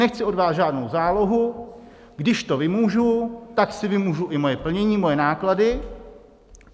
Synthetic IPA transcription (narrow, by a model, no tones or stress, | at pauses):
ɛxt͡sɪʔo̞dvaːsʒaːdno̞wzaːlo̞ɦu | ɡdɪʃt̪o̞vɪmuːʒut̪aksɪvɪmuːʒuʔɪmo̞jɛpl̩ɲɛɲiːmo̞jɛnaːkladɪ